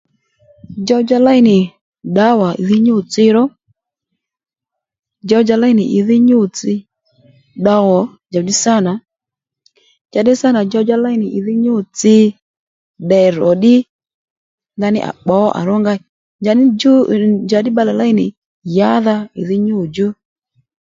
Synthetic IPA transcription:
d͡ʒɔ˧d͡ʒa˧la˦ɪ˦nɪ˨ | ɗa˨˦wa˨ɪ̰˨ðɪ˦ɲo˦˨t͡sɪ˧ɾɔ˦ | d͡ʒɔ˧d͡ʒa˧la˦ɪ˦˨nɪ˨ʔɪ˨ðɪ˦ɲo˦˨t͡sɪ˧ | ɗa˧wɔ˨˦ | d͡ʒa˨di˦sa˦˨na˨ | t͡ʃa˧dɪ˦sa˦na˨d͡ʒɔ˧d͡ʒa˧la˦ɪ˦nɪ˨ʔɪ˨ðɪ˦ɲo˦˨t͡sɪ˧ | ɗɛ˨ɾɔ˨ɗɪ˦ | nda˧nɪ̰˦ʔa̰˨k͡pɔ˨˦ʔa̰˨ɾɔ˦ŋɡa˧˨ | d͡ʒa˨n˦d͡ʒa˨dɪ˦ɓa˧lɛ˨la˦ɪ˦nɪ̰˨ | ja˨˦ða˧ɪ̰˨ðɪ˦ɲo˦˨d͡ʒo˦

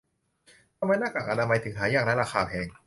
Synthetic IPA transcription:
t̪ʰa˧mːa˧jnaː˥˩ka˨˩ʔa˧na˧ma˧jt̪ʰɯ˩˦ɦʰaː˨˦jaː˥˩k̚na˦˥˩ɾaː˧xʰaː˧pʰɛː˧ŋ

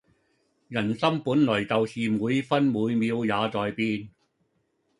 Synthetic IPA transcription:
jɐ˨˩nsɐ˥mpuː˨˥nlɵ˨˩ɥt͡sɐ˨wsiː˨muː˨˧jfɐ˥nmuː˨˧jmiː˨˧wjaː˨˧t͡sɔː˨jpiː˥n

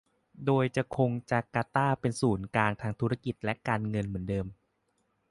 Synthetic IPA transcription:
doː˧jt͡ɕa˨˩kʰo˧ŋt͡ɕa˨˩kaː˧t̪aː˥˩pe˧nsuː˩˦nkaː˧ŋt̪ʰaː˧ŋt̪ʰu˦˥ɾa˧˩ki˨˩t̪̚lɛ˦˥kaː˧nŋɤ˧nmɯ˩˦ndɤː˧m

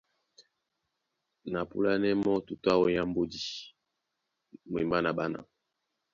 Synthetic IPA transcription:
na˨pṵ˦la˦nɛ˦mɔ˦tu˨ta˦wo˦ja˦mbo˦di˨˦ | mwe˨mba˦na˨ba˦na̰˨

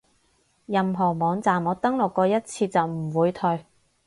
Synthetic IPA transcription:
jɐ˨mɦɔː˨˩mɔː˨˧ŋt͡saː˨mɔː˨˧t̪ɐ˥ŋlʊ˨kːɔː˧jɐ˥t̚t͡sʰiː˧t͡sɐ˨wm̩˨˩wuː˨˧jt̪ʰɵ˨ɥ

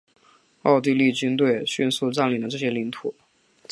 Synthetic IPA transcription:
ɑ˥˧ʊt̪̬i˥˧li˥˩t͡ɕy˥nt̪we˥˩ɪɕy˥˧nsu˥˧ʈ͡ʂa˥˩nli˨˩nd̪ə˦ʈ͡ʂɤ˥˩ɕjɛ˥li˧˥ŋt̪ʰu˨˩˦

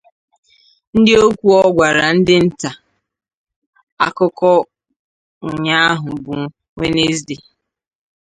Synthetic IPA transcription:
n̩˦dɪ˦o˦kʷu˦ɔ˦ɡʷa˨ɾa˨n̩˦dɪ˦n̩˦ta˨ | a̰˨kʊ˦kɔ˦ | ʊ˨ɲa˦a˦ɦʊ˨bu˨˦ | ŋʷe˦ne˦zde˨

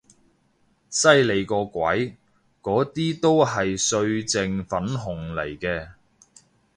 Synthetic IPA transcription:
sɐ˥jle˨˧jkɔː˧kʷɐ̰˨˥j | kɔː˨˥t̪iː˥t̪o˥wɦɐ˨jsɵ˧ɥt͡sɪ˨ŋfɐ˨˥nɦʊ˨˩ŋlɐ̰˨˩jkɛː˧

